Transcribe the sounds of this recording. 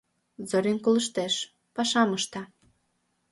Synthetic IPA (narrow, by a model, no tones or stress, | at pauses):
zoɾʲenkolə̆ʃt̪eʃ | pɑʃɑməʃt̪ɑ